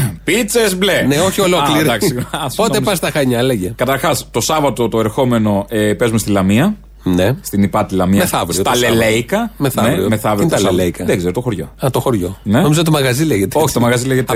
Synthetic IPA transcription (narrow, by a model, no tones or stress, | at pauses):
pit͡sezbleneoçiolokliɾd̪ɐksssinɐspotnepɐst̪ɐxɐɲɐleʝekɐt̪ɐɾxɐst̪o̞sɐvɐt̪o̞t̪oe̞ɾxo̞me̞no̞epezumest̪ilɐmiɐ | nest̪inipɐt̪ilɐmiɐmeθɐvɾisot̪ɐlelejkɐmeθɐneɾḭmeθɐvɾiot̪ɐleleikɐðeɡzeɾot̪oxoɾʝo̞̰ɐt̪oxoɾʝo̞̰nenomizot̪t̪omɐɣɐzileʝet̪eoçit̪omɐɣɐzileʝet̪